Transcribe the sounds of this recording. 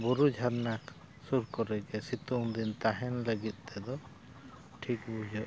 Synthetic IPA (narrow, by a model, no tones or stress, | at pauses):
bɔɾud͡ʒʱaɾnak | suɾkɔɾɛɡɛsit̪uŋd̪int̪aɦɛnləɡit̪̚ˀt̪ɛd̪ɔ | ʈʰikbud͡ʒɔʔ